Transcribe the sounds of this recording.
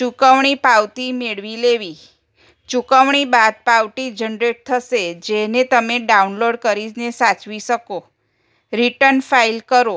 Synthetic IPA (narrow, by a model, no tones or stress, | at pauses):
t͡ʃukəʋɳ̃ipawt̪imeɭʋileʋi | t͡ʃukəʋɳibad̪̚pawʈid͡ʒənɾeʈ̚t̪ʰəʃed͡ʒenet̪əmeɖaunloɖkəɾid͡ʒnesat͡ʃʋiʃəko | ɾiʈəɾnfailkəɾo